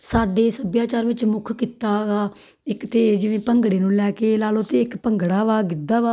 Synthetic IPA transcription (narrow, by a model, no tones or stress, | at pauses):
saːɖeːsəbjaːt͡ʃaːɾʋɪt͡ʃmʊkʰkiːt̪aːɡaː | ɪkt̪ʰeːd͡ʒɪʋẽːpəŋɡɽeːnũːlɛːkeːlaːlot̪eːɪkpəŋɡɽaːʋaːɡɪd̪aːʋaː